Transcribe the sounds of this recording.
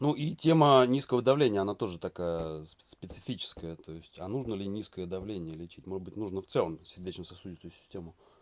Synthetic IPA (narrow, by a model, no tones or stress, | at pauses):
nuʔitʲe̞mənʲiskəvəd̪ɐvlʲenʲɪjəɐnat̪o̞ʐɨt̪ɐkajəsspʲɪt̪sɨfʲit͡ɕɪ̥skəjət̪o̞ɪsʲtʲa̰nuʐnəlʲɪnʲiskəjəd̪ɐvlʲenʲɪjəlʲɪt͡ɕitʲmoəd̪bɨtʲnuʐnəft̪sɛlˠəmsʲɪrʲdʲet͡ɕʲnəsɐsudʲɪt̪ʊjʊsʲɪ̥sʲtʲemʊ